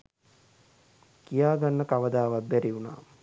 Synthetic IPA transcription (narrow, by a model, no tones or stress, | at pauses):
kijaːɡanːəkaʋəd̪aːʋat̪̚bæɾiuna̰ː